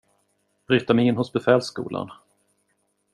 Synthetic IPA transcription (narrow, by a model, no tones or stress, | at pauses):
b̥ɾyːt̪amɛɪnːɦʊsbɛfɛːlskṵːla̰n